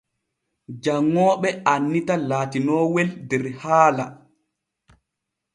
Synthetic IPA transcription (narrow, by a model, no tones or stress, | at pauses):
d͡ʒaŋːɔːɓɛanːitalaːtinɔːwɛldɛɾhaːla